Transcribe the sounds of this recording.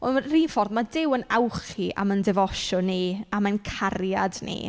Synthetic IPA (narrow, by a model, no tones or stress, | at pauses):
ɔriːnfɔrðmadɪwənawχiʔa̰məndɛvɔʃɔniamankʰarjadnḭ